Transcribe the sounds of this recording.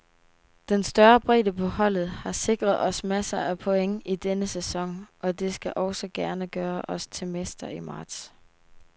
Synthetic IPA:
d̥ensd̥ɶːɐb̥ʁḭd̥əpʰɒ̽hɒ̽l̰ð̩ˠhɑ̈se̝ɡ̥ʁɐð̞̩ˠɒ̽smæsɐʔæpʰɒ̽eŋid̥enəsesɒ̽ŋʔɒ̽d̥e̝sɡ̥æʔɒ̽ʊsɒɡ̥æɐnəɡ̥ɶːɐʔɒ̽st͡sʰe̝mesd̥ɐimɑ̈ːd̥s

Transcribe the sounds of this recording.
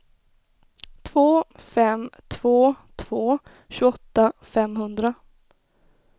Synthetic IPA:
t̪ʰvoːfɛmt̪ʰv̥oːt̪ʰv̥oː | ɕʉɡɔt̪ːafɛmɦɵnd̪ɾa

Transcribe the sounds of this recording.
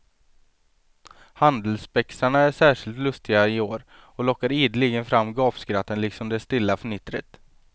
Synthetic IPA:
hand̪əlsbɛksaɳaæʂæːʂɪlt̪lɵst̪ɪɡaɪoːɾ | ɔlɔkːaɾiːd̪lɪɡənfɾamːɡɑːfskɾat̪ːənlɪksɔmd̪ɛst̪ɪlːafœɳɪt̪ːɾə̰t̪

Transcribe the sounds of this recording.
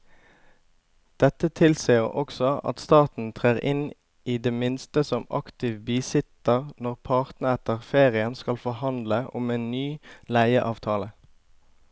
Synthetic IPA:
d̪̥ɛt̪ət̪ʰɪlsiːəʔɔksɔɑ̰t̪st̪ɑːt̪n̩t̪ʰʁeːʁɪ̰n | ʔiːd̪eːmɪnst̪əsɔmɑ̰kt̪ɪʋbiːsɪt̪əʁnɔʁpʰɑʁt̪nəɛt̪əʁfeːʁɪənskɑlfɔhɑnd̪ləʔʊmeːnnyːlæɪəʔɑːʋt̪ʰɑːlə

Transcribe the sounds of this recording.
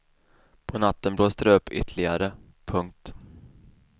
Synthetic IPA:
pʰɔnat̪ːənbloːst̪əɾɵpːʏ̰t̪ʰlɪɡaɾə | pʰɵŋk̚t̪

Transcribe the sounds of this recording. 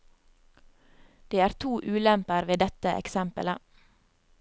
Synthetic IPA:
d̪̥eːæːɾt̪ʰuːʔʉːlɛmpəɾʋeːd̪ɛt̪əʔɛ̰ksɛmpə̰lə

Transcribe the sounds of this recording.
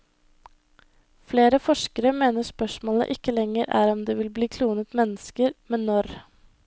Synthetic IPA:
fleːɾəfɔʂkəɾəmeːnəspœʂmoːlə̰ʔɪkːəlɛŋəɾʔæ̰ːɾɔmd̪eːʋɪlbliːkʰluːnət̪mɛnːəskəɾmɛnnɔɾ

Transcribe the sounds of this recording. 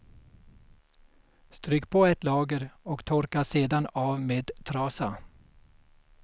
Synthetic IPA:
st̪ɾyːkpʰoːɛt̪lɑːɡəɾɔkt̪ʰɔɾkaʂeːd̪anɑːvmeːd̪t̪ʰɾɑːsa

